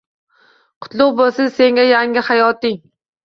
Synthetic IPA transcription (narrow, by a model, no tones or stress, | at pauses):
qʰʊ̥t̪lˠʊqbolsɪzse̞ŋɡʲajaŋʲɪhajɒt̪ɪŋ